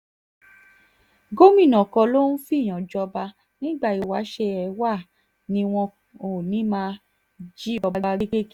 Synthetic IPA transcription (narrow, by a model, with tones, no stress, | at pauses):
ɡo˦mĩ˦˨nɔ̃˨kɔ̃˧lo˦nũ˦fi˦˨j̃ã˨d͡ʒɔ˧ba˧ | nĩ˦ɡ͡ba˦˨i˨wa˨˦ʃɛ˧ɛ˨˦wa˦˨ | nĩ˧w̃ɔ̃˧ | o˨nĩ˨˦mã˧ | d͡ʒi˦ɔ˧a˧ɾi˦ke˦k